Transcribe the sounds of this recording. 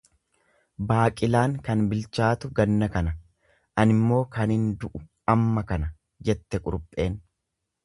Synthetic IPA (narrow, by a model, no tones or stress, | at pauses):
baːkʼɪlaːŋkɐnbɪlt͡ʃaːt̪ʊɡɐnːɐkɐnɐ | ʔɐnɪmːo̞ːkɐnɪnd̪ʊʔʊ | ɐmːɐkɐnɐ | d͡ʒɛt̪ːɛkʼʊɾʊpʼːe̞ːn